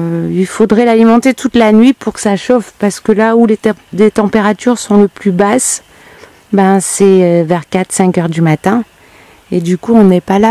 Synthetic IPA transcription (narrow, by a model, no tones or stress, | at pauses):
ilfod̪ʁɛlalimɑ̃t̪et̪ut̪lanɥipuʁkə̥saʃɔfpaʁsə̥kəlaulelet̪ɑ̃peʁat̪yʁsɔ̃ləplybas | bɛ̃sɛvɛʁkat̪sɛ̃kʲœʁd̪ymat̪ɛ̃ | ed̪ykuɔ̃nɛpala